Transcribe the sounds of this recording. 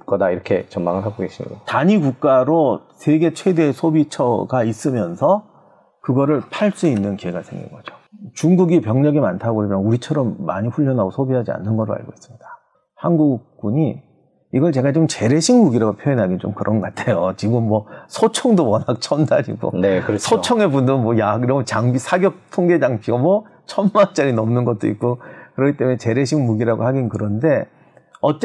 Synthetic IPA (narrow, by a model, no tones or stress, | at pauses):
k͈ʌdaiɾʌkʰe̞t͡ɕʌmaŋɯɭɦaɡoɡe̞ɕ͈imḭɡataɲiɡuk̚k͈aɾosʰeɡe̞t͡ɕʰwe̞de̞sʰobit͡ɕʰʌɡais͈ɯmjʌnsʰʌ | kɯɡʌɾɯɭpʰaɭs͈uinːɯnkieɡasʰe̞ŋɡḭnɡʌd͡ʑo̥t͡ɕuŋɡuɡipjʌŋɲʌɡimantʰaɡoɾimjʌnuɾit͡ɕʰʌɾʌmːaɲiɸuʎːʌnɦaɡosʰobiɦad͡ʑia̰nːɯnɡʌɾoa̰ɭɡo̰is͈ɯmɲidḁ | hanɡuk̚p͈uɲiː | ɡʌɭt͡ɕe̞ɡat͡ɕomt͡ɕe̞ɾe̞ɕʰiŋmuɡiɾaɡopʰjoinɦaɡint͡ɕo̰mkɯɾʔʌnɡʌk͈atʰejot͡ɕiɡɯmːwʌsʰot͡ɕʰʌŋdowʌnak̚t͡ɕʰʌndaɾḭmʌ̰nekɾsʰot͡ɕʰʌŋe̞bundɯɾɯnmwʌjakiɾʌmɯt͡ɕaŋbisʰaɡjʌk̚tʰoŋɡe̞d͡ʑaŋpʰiɡamwʌ | t͡ɕʰʌnːant͡ɕ͈aɾinʌmnɯnɡʌt̚t͈o̰ḭk̚k͈okɯɾʌkʰi̥t͈e̞munet͡ɕe̞ɾe̞ɕʰiŋmuɡiɾaɡohaɡinkɯɾʌnde̞ | ʌt͡ɕ͈e